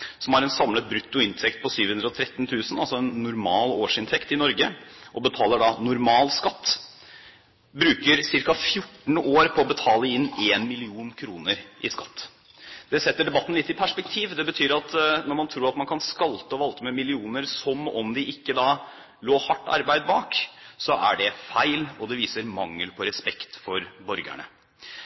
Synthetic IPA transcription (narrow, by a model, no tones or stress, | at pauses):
sɔmhɑɾɛnsɑmlət̪̚bɾʉt̪ːʊɪnt̪ʰɛkt̪̚pʰɔsyːʋhʉnɾɔt̪ʰɾɛt̪ːnt̪ʰʉːsənɑlsɔɛnːʊɾmɑːloːʂɪnt̪ʰɛkt̪ɪnɔɾɡəʔɔbət̪ʰɑːləɖɑnʊɾmɑːlskɑt̪ː | bɾʉːkəɾsɪɾkɑfjʊʈːɳ̩oːɾpʰɔːbət̪ʰɑːləɪnːeːnmɪlɪuːnkʰɾuːnəɾʔɪ̰skɑ̥t̪ː | d̪ɛsɛt̪ːəɖɛbɑt̪ːn̩lɪt̪ːɪpʰæʂpɛk̚t̪ʰiːʋd̪ɛbət̪ʰyːɾɑt̪nɔɾmɑnt̪ʰɾuːɾɑt̪mɑnkʰɑnskɑlt̪əɔʋɑlt̪əmɛmɪlɪuːnəɾsɔmɔmd̪ɪʔɪkːəd̪ɑː | loːhɑʈːɑ̰ɾbæɪd̪̚bɑːksɔʔæ̰ɖɛfæɪlɔd̪ɛʋiːsəɾmɑŋːəlpʰɔɾɛspɛkt̪fɔɾbɔɾɡæ̰ɳə̰